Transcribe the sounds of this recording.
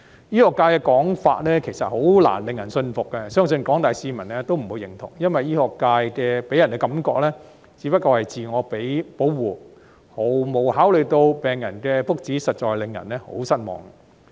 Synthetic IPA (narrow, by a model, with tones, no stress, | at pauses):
jiː˥hɔː˨kːaː˧jkɛː˧kɔː˨˥ŋfa̰ː˧t̚lɛː˥kʰe˨˩jsɐ˨t̚ho˨˥wla̰ː˨˩nlɪ˨ŋjɐ˨˩nsɵ˧nfʊ˨k̚kːɛ˧sœː˥ŋsɵ˧nkɔː˨˥ŋt̪aː˨jsiː˧mɐ˨˩nlɛ˥t̪o˥wm̩˨˩wu˨˧jɪ˨˩ŋt̪ʰʊ̰˨˩ŋjɐ˥nwɐ˨jiː˥hɔː˨kːaː˧jkɛː˧pe˨˥jɐ˨˩nkɛː˧kɐ˨˥mkɔ̰ː˧k̚lɛː˥ | t͡siː˨˧˥pɐ˥t̚kːɔː˧hɐ˨jt͡siː˨ŋɔː˨˧pe˨˥jpo˨˥wwuː˨ | ho˨˩wmo˨˧whaː˨˥wlɵ˨˧t̪o˧wpɛː˨˩ŋjɐ˨˩nkɛː˧fʊ˥k̚t͡siː˨˥sɐ˨t̚t͡ʃɔː˨jlɪ˨ŋjɐ̰˨˩nlɛː˥ho̰˨˥wsɐ˥t̚mɔ̰ː˨ŋ